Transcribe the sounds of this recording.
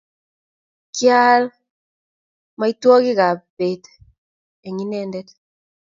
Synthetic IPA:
kja˦l | ma˦i˦twɔ˦ɡi˦ɡa˨pe˨t̪ | e˨ŋi˦nɛndɛt̪

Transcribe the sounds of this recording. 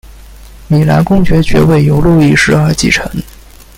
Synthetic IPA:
mi˨˩la̰˧˥nkʊ˥˧ŋt͡ɕɥɛ˧˥t͡ɕɥɛ̰˧˥we˥˩ɪjo˧˥ʊlu˥˧i˥˩ʂɻ̩˥˩ə˞˧˥t͡ɕḭ˥˩ʈ͡ʂʰɤ˧˥ŋ

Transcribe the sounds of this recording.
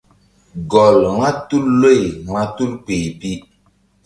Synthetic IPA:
ɡɔ˨lŋa˦tu˦lːo˦˨jma˦tu˦lpe˨pi˦

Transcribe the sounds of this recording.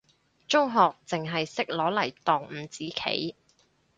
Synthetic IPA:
t͡sʊ˥ŋɦɔː˨k̚t͡sɪ˨ŋɦɐ˨jsɪ˥k̚lɔː˨˥lɐ˨˩jt̪ɔː˨˩ŋm̩ː˨˩t͡siː˨˥kʰḛ˨˥j

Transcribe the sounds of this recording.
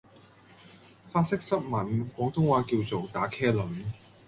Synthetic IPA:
faː˥tsɪ˥k̚sɐ˥t̚mɐ˨˥nkɔː˨˥ŋt̪ʰʊ˥ŋwaː˧˥kiː˧wt͡so˨wt̪aː˨˥kʰɛː˥lɵ˨˥n

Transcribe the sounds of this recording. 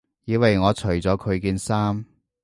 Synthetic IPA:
jiː˨˧wɐ˨jŋɔː˨˧t͡ʃʰɵ˨˩ɥt͡sɔː˨˥kʰɵ˨˧ɥkiː˧nsaː˥m

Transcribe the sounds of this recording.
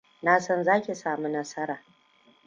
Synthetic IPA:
naː˦sɔ˦nzaː˦kʲi˨saː˨mu˦nɐ˦sɐ˦ɾaː˨

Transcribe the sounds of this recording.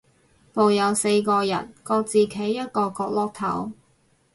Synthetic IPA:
po˨wjɐ˨˧wse˧jkɔː˧jɐ̰˨˩nkɔː˧k̚t͡siː˨˩kʰe˨˥jːɐ˥t̚kɔː˧kɔː˧k̚lɔː˥k̚t̪ʰɐ̰˨˥w

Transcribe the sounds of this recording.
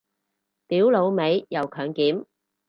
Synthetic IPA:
t̪iː˨˥wlo˨˧wme˨˧jjɐ˨˧wkʰœː˨˧ŋkiː˨˥m

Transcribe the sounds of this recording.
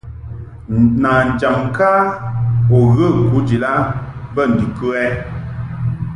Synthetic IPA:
na˨n̩˨d͡ʒa˨m˨ka˦ | o˨ɣə˦˨ku˨˦d͡ʒi˨la˦bə˦˨n̩˨dʉ˨kə˦ɛ˦

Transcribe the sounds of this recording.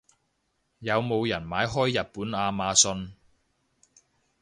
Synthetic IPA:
jɐ˨˧wmo˨˧wjɐ˨˩nmaː˨˧jɦɔː˥jːɐ˨t̚puː˨˥naː˧maː˨˧sɵ˧n

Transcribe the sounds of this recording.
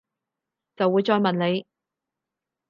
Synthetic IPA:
t͡sɐ˨wːuː˨˧jt͡sɔː˧jmɐ˨nle˨˧j

